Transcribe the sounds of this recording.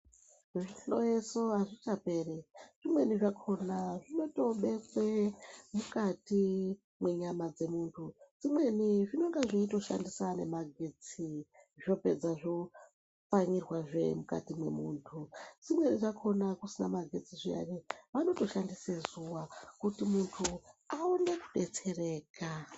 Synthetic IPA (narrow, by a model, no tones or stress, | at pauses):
eʐiɬojeso̞aʐit͡ʃape̞ːreʐimwe̞niʐakʰo̞naʐino̞to̞ɓe̞kwemukati | mwe̞ɲamad͡ze̞muːntʰud͡zimwe̞niʐino̞ŋɡeʐeito̞ʃa̰ndisane̞maɡʱe̞t͡siʐino̞pe̞̰d͡zaʐo̞ | faɲirwaʐe̞̰muka̰timwe̞̰muːntʰud͡zimwe̞niʐakʰo̞nakusina̰maɡʱe̞t͡siʐia̰reʋano̞to̞ʃandisezuʋakutimuntʰuaune̞ku̥ɓe̞t͡se̞re̞ːka